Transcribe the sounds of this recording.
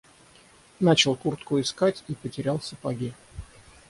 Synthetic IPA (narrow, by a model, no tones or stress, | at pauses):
nat͡ɕɪlˠkurt̪kʊɪskatʲipətʲɪɾʲalˠsəpɐɡʲi